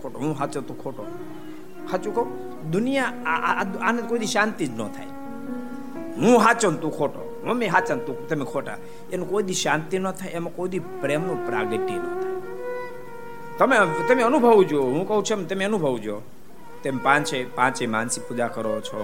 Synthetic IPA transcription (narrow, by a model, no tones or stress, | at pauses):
oʈoɦũɦat͡ʃənt̪ũkʰoʈo | hat͡ʃũkəũ | d̪unija | anə̃nkoid̪iʃant̪id͡ʒnɔ̰t̪ʰa̰j | ɦũɦat͡ʃənt̪ũkʰoʈo̰ | ɦũmeɦat͡ʃənt̪ũt̪əmekʰoʈa̰ | enũkoid̪iʃãnt̪inət̪ʰajemãkoid̪ipɾemõpɾa̰ɡeʈinɔt̪ʰaj | t̪əmet̪əmeənubʱəʋud͡ʒuoɦũkəɦũt͡ʃʰemt̪əmeənubʱəʋud͡ʒo | t̪empãt͡ʃʰepãt͡ʃemansikpud͡ʒakəɾot͡ʃʰo